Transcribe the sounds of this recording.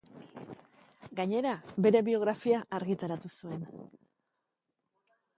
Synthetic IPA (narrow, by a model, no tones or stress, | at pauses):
ɡaɲe̞ɾabe̞ɾe̞βio̞ɣ̞ɾafiaʔːɾɣit̪aɾat̪usue̞n